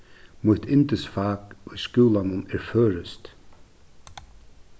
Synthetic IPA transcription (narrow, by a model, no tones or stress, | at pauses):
mʊht̪ʰɪnt̪ɪsfaːkʏskuːlanʊmɛɹføːɾɪst̪